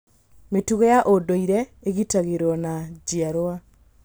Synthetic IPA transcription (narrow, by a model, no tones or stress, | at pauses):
metuɣejaʔodoiɾɛeɣitaɣeɾɔnad͡ʑiaɾoa